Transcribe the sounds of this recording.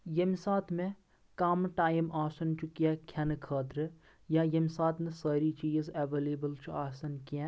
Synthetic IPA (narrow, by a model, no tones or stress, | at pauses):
jɐmsaːt̪ʰmẽ | kaːmʈaːjimʔaːsɐnt͡ʃukijɛːkʰjɐnkʰaːd̪ɾə | jãjɐmsaːt̪ʰmẽsəːɾit͡ʃiːzeʋeːleːbəlt͡ʃʰuaːsɐnkiɛ̃